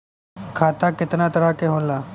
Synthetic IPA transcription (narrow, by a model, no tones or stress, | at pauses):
kʰaːt̪aːkɪt̪naːt̪ɐɾakeɦõːllaː